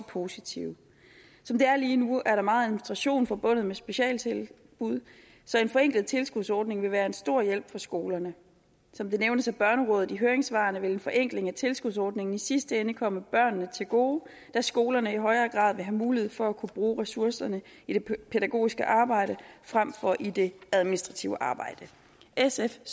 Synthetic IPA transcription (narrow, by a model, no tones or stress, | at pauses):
pʰo̝sit͡sʰiʊ | sɒ̽md̥e̝æɐliːnuæɐɾɑ̈mɑ̈ːð̩ˠæminsd̥ʁɑ̈ɕo̝̰ːnfɒ̽b̥ɔ̽n̰ð̞̩ˠmesb̥e̝ɕɛ̰ːlt͡sʰel | b̥uð̞̰ˠ | sɒ̽e̝nfɒ̽eŋɡ̥lð̩ˠt͡sʰe̝lsɡ̥uðˠsɒːd̥ne̝ŋʋe̝ʋæːɐe̝nsd̥o̝ɐ̰jel̰b̥fɒ̽sɡ̥o̝ːlɐnə | sɒ̽md̥e̝neʊnəsæb̥ɶɐnəʁɔ̽ːð̩ˠiɦøːɐeŋsʋɑ̈ːnəʋe̝le̝nfɒ̽ʔeŋ̰ɡ̥le̝ŋæt͡sʰe̝lsɡ̥uðˠsɒːd̥ne̝ŋn̩isisd̥əenəkʰɒ̽məb̥ɶɐ̰nːət͡sʰe̝lɡ̥o̝̰ː | d̥æsɡ̥o̝ːlɐnəiɦɒ̽ɪɐːɡ̥ʁɑ̰̈ːð̰ˠʋe̝ɦæmuːlihe̝ð̩̰ˠfɒ̽ækʰub̥ʁuːʁɛsuɐsɐnəid̥e̝pʰeɾæɡ̥o̝̰ːisɡ̥əʔɑ̈ːb̥ɑ̈ɪ̰ɾəfʁam̰fɒ̽ʔide̝æð̞ˠminisd̥ʁɑ̈t͡sʰiʊəʔɑ̈ːb̥ɑ̈ɪ̰d̥ə | esef